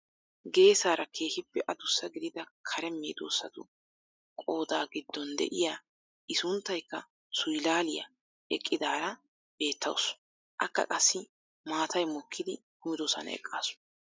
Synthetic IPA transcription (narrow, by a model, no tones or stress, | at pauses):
ɡe̞ːsaːɾɐkʰe̞ːhɪpːɛʔɐd̪ʊsːɐɡɪd̪ɪd̪ɐkʰɐɾɛmːiːd̪o̰ːsːɐt̪ʊ | kʼo̞ːd̪aːɡɪd̪ːɔnd̪ɛ̰ʔɪjaː | ʔɪsʊnt̪ːɐjkːɐ | sʊjlaːlɪjɐ̰ | ɛkʼːɪd̪aːɾɐ | b̥e̞ːt̪ːɐ̰ws | ʔɐkːɐ̰kʼɐsːɪ | maːt̪ɐjmɔkʰːɪd̪ɪkʊmɪd̪oːsɐ̰nɐ̰ɛ̰kʼːa̰ːsʊ̥